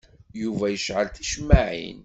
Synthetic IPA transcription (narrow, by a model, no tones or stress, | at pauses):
juvæjəʃʕəlθiʃmːaʕḭn